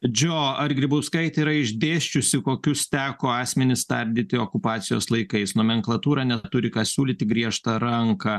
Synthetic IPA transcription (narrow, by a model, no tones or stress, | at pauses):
d͡ʒʲoːɐrɡɾʲɪbʊʊskɐɪt̪ʲiːɾɐɪʒʲd̪ʲeːʃʲt͡ʃʲʊsʲɪkoːkʲʊst̪ʲæːkoːɑːsʲmʲɛnʲɪst̪ɐɾʲd̪ʲiːt̪ʲɪoːkʊpɑːt̪sʲɪjoːslˠɐɪkɐɪsnoːmʲɛŋklˠɐt̪uːɾɑːnʲɛt̪ʊɾʲɪkɑːsʲuːlʲiːt̪ʲɪɡɾʲiɛʃt̪ɐɾɐŋkɐ